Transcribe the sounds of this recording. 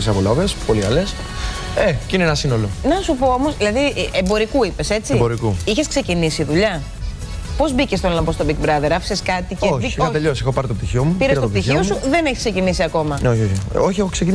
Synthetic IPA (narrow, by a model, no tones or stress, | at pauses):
isɐpolɐvespo̞liɐles | eceineenɐsino̞lonɐsupo̞o̞mo̞zðilɐðiʔembo̞ɾikuipe̞se̞t͡simboɾikuiçe̞skse̞cinisiðuʎɐ | po̞zbicest̪onlɐmbost̪o̞bikbɾɐðeɾɐfi̥seskɐt̪iceoçiɐt̪eʎosexopɐɾit̪op̚t̪içiomupiɾɐsɾst̪oopt̪t̪içiiosuðeneçisksecinis̬iɐko̞mɐneoçioçioçexoksecin